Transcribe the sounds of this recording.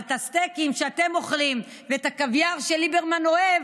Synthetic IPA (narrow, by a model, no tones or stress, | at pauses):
t̪ast̪ekimʃeat̪e̞mo̞χlim | veet̪akavjaʁʃelibeʁmano̞ev